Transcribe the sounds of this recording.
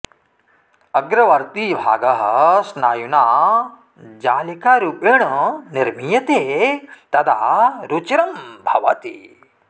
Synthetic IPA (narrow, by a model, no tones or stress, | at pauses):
ɐɡɾɐʋɐɾt̪ibʱa̰ːɡɐɦɐsnaːjunaː | d͡ʒaːlikaːɾuːpeɳɐniɾmijɐt̪eːt̪ɐd̪a̰ːɾut͡ʃiɾɐmbʱɐ̰ʋɐ̰t̪ḭ